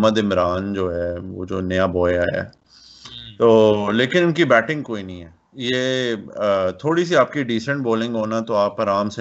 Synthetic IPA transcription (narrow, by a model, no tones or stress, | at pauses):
məd̪ɪmɾaːnd͡ʒoːɦɛːʋo̰ːd͡ʒoːnɐjabɔːjaɦɛ̰ː | t̪oːleːkɪnʊnkibɛːʈɪ̃ŋɡ̚koːinɐɦĩɦɛː | jeː | t̪ʰoːɽis̬iaːpkiɖiːsə̃ɳʈ̚boːlɪ̃ŋɡɦoːnat̪oaːpɐɾaːmse